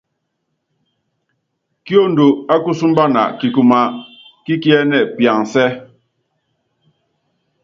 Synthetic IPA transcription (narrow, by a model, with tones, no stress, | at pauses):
kjo˦n̩˨du˨a˦ku˦su˦m˦ba˦na̰˨ki˨ku˨ma˦ | ki˦kjɛ˦nɛ˨pja˨ŋsɛ˦